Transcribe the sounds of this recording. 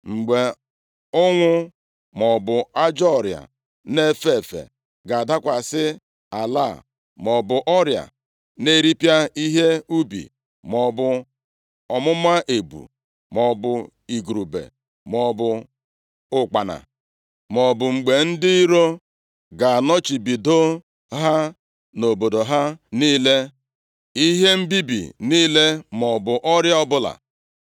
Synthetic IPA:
ŋ͡m̩˨ɡ͡be˨ | ʊ˦ŋʷʊ˦ | mɔ˨bʊ˨a˦d͡ʒɔ˦˨ɾja̰˨ | ne˦fe˦˨fḛ˨ | ɡa˨a˨da˦kʷa˨sɪ˦ | a˨la˦˨ | mɔ˨bʊ˨ʔɔ˦ɾja̰˨ | ne˦ɾi˦pja˦i˦ɦe˦u˦bḭ˨ | mɔ˨bʊ˨ | ɔ˨mʊ˦ma˦ʔe˨bṵ˨ | mɔ˨bʊ˨ | i˨ɡu˨ɾu˨bḛ˨ | mɔ˨bʊ˨ | ʊ˨k͡pa˨na̰˨ | mɔ˨bʊ˨ŋ͡m̩˨ɡ͡be˨n̩˦dɪ˦ɾo˦ | ɡa˨a˨nɔ˦t͡ʃi˨bi˨do˦ | ɦa˦ | no˨bo˨do˨ɦa˦niː˦le˦ | i˦ɦe˦m̩˦bi˦bḭ˨niː˦le˦mɔ˨bʊ˨ʔɔ˦ɾja˦ɔ˦bʊ˦la̰˨

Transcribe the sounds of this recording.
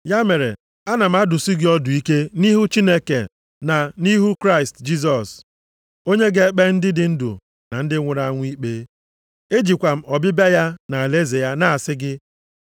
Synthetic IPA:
ja˦me˨ɾḛ˨ | a˦na˨m̩˦a˦dʊ˨si˦ɡɪ˦ɔ˦dʊ˨i˦ke˦ni˦ɦu˦t͡ʃi˦ne˦kḛ˨ | na˨ni˦ɦu˦kɾa˦ɪ˨std͡ʒi˦s̬ɔ˨s | o˦ɲe˦ɡe˦k͡pe˦n̩˦dɪ˦dɪ˦n̩˦dṵ˨ | na˨n̩˦dɪ˦ŋʷʊ˨ɾa˦ŋʷʊ˦i˦k͡pe˦ | e˦d͡ʒi˨kʷa˨m̩˦ɔ˨bɪ˦ba˦ja˦na˨a˨le˦ze˨ja˦na˦˨a˨sɪ˦ɡɪ˦

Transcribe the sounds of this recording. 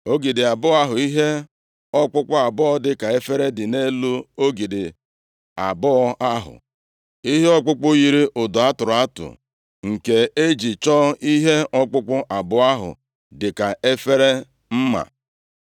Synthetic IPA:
o˦ɡi˨dɪ˨a˨bʊ˦a˦ɦʊ˨i˦ɦe˦ | ɔ˦k͡pʊ˦k͡pʊ˦a˨bʊ˦ɔ˦dɪ˨ka˨e˦fe˦ɾe˦dɪ˨ne˦lu˦o˦ɡi˨dɪ˨ | a˨bɔ˦a˦ɦʊ̰˨ | i˦ɦe˦ɔ˦k͡pʊ˦k͡pʊ˦ji˨ɾi˦ʔʊ˨dʊ˨a˦tʊ˨ɾʊ˨a˦tʊ̰˨ | ŋ̩˨ke˨e˦d͡ʒi˨t͡ʃɔ˦i˦ɦe˦ɔ˦k͡pʊ˦k͡pʊ˦ʔa˨bʊ˦a˦ɦʊ̰˨ | dɪ˨ka˨e˦fe˦ɾe˦ | m̩˦ma̰˨

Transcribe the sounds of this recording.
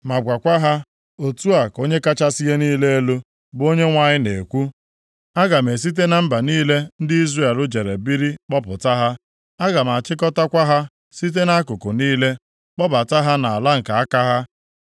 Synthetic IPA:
ma˨ɡʷa˨kʷa˦ɦa˦ | o˨tu˦a˨ko˦ɲe˦ka˦t͡ʃa˦si˦ɦe˦niː˦le˦e˦lo˦ | bo˦ɲe˦ŋʷa˦ɲɪ˦nḛ˨kʷu˦ | a˦ɡa˨me˨s̬i˦t̬e˦na˦m̩˦ba˨niː˦le˦n̩˦dɪ˦i˦zre˦˨lʊ˦d͡ʒe˨ɾe˨bi˦ɾi˦k͡pɔ˦pʊ̰˨ta˦ɦa˦ | a˦ɡa˨ma˨a˨t͡ʃɪ˦kɔ˦ta˦kʷa˦ɦa˦ | si˦t̬e˦na˦a˦kʊ˨ko˨niː˦le˦ | k͡pɔ˦ba˨ta˦ɦa˦na˨a˨la˦ŋ̩˨ka˨a˦ka˦ɦa˦

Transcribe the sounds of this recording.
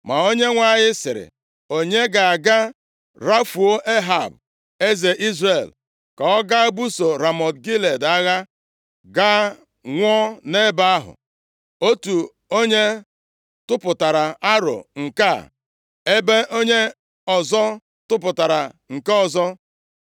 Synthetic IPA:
ma˨o˦ɲe˦ŋʷa˦ɲɪ˦sɪ̰˨ɾɪ̰˨ | o˨ɲe˦ɡa˨a˨ɡa˦ | ɾa˦fu˨o˦ʔe˦ɦa˨b̚ | e˦ze˨ʔi˦zɾe˨l | ka˨ɔ˦ɡa˦bu˦so˨ɾa˨mɔ˨tɡi˦le˨da˦ɣa˦ | ɡa˦ | ŋʷɔ˦ne˦ba˦a˦ɦʊ̰˨ | o˦tu˨ | o˦ɲe˦ | tʊ˦pʊ˨ta˨ɾa˨a˦ɾo̰˨ŋ̩˨ka̰˦˨ | e˦be˦ʔo˦ɲe˦ | ɔ˨zɔ˦ | tʊ˦p̬ʊ˨ta˨ɾa˨ŋ̩˨ka˦ɔ˨zɔ˦

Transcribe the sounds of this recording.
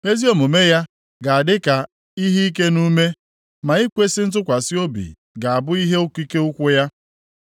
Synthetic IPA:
me˦zi˦o˨mo˨me˦ja˦ | ɡa˨a˨dɪ˦ka˨ | i˦ɦi˦i˦k̬e˦nu˦me˦ | ma˨i˦kʷe˦sɪ˦n̩˦t̬ʊ˦kʷa˨sɪ˦o˦bḭ˨ | ɡa˨a˨bʊ˦i˦ɦe˦o˦kʷi˦ke˦u˦kʷʊ˦ja˦

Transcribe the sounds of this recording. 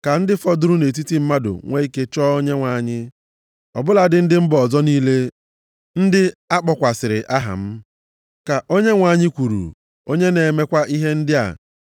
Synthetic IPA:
ka˨n̩˦dɪ˦fɔ˦dʊ˦ɾʊ˦ne˨t̬i˦ti˦m̩˦ma˦dʊ̰˨ŋʷe˦i˦ke˦t͡ʃɔ˦ɲe˦ŋʷa˨ɲɪ˦ | ɔ̰˨bʊ˦la˨dɪ˨˦n̩˦dɪ˦m̩˦bɔ˨zɔ˦niː˦le˦ | n̩˦dɪ˦a˦k͡pɔ˨kʷa˨sɪ˨ɾɪ˨ʔa˦ɦa̰˨m̩˦ | ka˨ʔo˦ɲe˦ŋʷa˨ɲɪ˦kʷu˨ɾṵ˨ | o˦ɲe˦ne˨me˦kʷa˦ʔi˦ɦe˦n̩˦dɪ˦a̰˨

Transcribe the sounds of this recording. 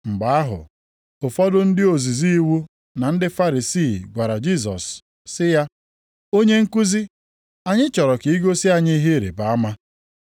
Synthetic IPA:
ŋ͡m̩˨ɡ͡ba˨˦a˦ɦʊ̰˨ | ʊ˨fɔ˦dʊ˦n̩˦dɪ˦o˨zi˨zi˦i˦wu˦ | na˨n̩˦dɪ˦fa˦ɾi˨si˦˨ɡʷa˨ɾa˨d͡ʒi˦˨s̬ɔ̰˨sː | ɪ˦ja˦ | o˦ɲe˦ŋ̩˦ku˦zi˦ | a˨ɲɪ˦t͡ʃɔ˨ɾɔ˨ki˨i˦ɡo˦si˦a˦˨ɲi˦ɦe˦˨ɾḛ˨ba˨a˦ma˦

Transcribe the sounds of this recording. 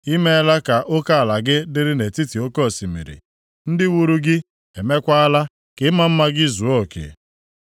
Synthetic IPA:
i˦me˦a˦la˦ka˨ʔʊ˦ka˦a˨la˨ɡɪ˦dɪ˦ɾɪ˦ne˨ti˦ti˨o˦kɔ˦˨si˨mḭ˨ɾḭ˨ | n̩˦dɪ˦wu˦ɾu˦ɡɪ˦ | e˨me˦kʷa˦a˦la˦ | kɪ˨˦ma˦m̩˦ma˦ɡɪ˦zu˨o˦˨kḛ˨

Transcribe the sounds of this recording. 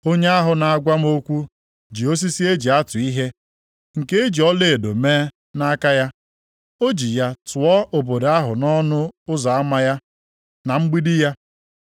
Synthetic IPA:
o˦ɲe˦a˦ɦʊ˨na˨a˨ɡʷa˦m̩˦o˦kʷu˦ | d͡ʒi˨o˦s̬i˦si˦e˦d͡ʒi˨a˦tʊ˨i˦ɦe˦ | ŋ̩˨ke˦e˦d͡ʒi˨ɔ˦le˨e˨do˨meː˦ | na˦ka˦ja˦ | o˦d͡ʒi˨ja˦tʊ˨ɔ˦ʔo˨bo˨da˦ɦʊ˨nɔ˦nʊ˦ʊ˦za˨a˦ma˦ja˦ | na˨ŋ͡m̩˦ɡ͡bi˦di˦ja˦

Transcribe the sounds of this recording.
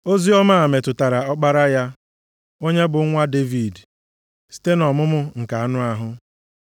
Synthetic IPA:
o˦zi˦ɔ˦ma˦a˨me˨tʊ˨ta˨ɾa˨ɔ˦k͡pa˦ɾa˦ja˦ | o˦ɲe˦bʊ˨˦ŋʷa˦de˦vi˨d | si̥˨te˦nɔ˨mʊ˦mʊ˦ŋ̩˨ka˨a˦nʊ˦a˦ɦʊ˦

